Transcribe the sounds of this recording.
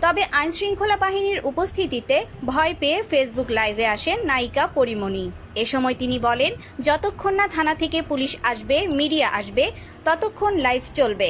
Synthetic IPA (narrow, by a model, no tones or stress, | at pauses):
t̪ɔbeʔajnsɾiŋkʰolapaɦiniɾupost̪ʰit̪it̪ebʱɔepeefesbuklajbʱeaʃenːajkapoɾimoni | eʃɔmɔet̪inibɔlen | d͡ʑɔt̪okʰːonːat̪ʰanat̪ʰekepuliʃaʃbemiɖijaʔaʃbe | t̪ɔt̪okʰːonlajbʱt͡ɕolbe